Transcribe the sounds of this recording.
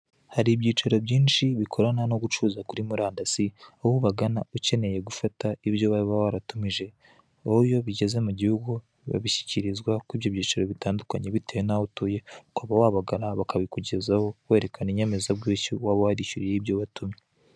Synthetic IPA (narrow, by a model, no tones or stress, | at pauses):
haɾibɟiːt͡ʃaɾo̞bɟiːnʃiβikʰo̞ɾanano̞ɡut͡ʃuːzakuɾimuɾaːndasiohuβaɡanauce̞ne̞je̞ɡufataiβjo̞βaiβawaɾatumiʒe̞ | oujo̞βiɟe̞ze̞muɟihuɡu | βa̰βiçi̥ciɾizɡwakwiːβjo̞βɟiːt͡ʃaɾo̞βitaːndukaɲe̞βitejenautuːje̞ukaβawaβaɡaɾaβakaβikuɟe̞zaho̞we̞ːɾe̞kaniɲe̞me̞zabɡuːciwaːβowaɾiʃuɾijeibjo̞βatumɲe